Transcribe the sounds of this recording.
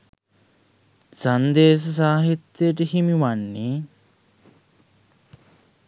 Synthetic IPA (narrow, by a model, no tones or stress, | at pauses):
sɐnd̪eːs̬ɐs̬aːɦit̪ːjeʈihimiʋanːi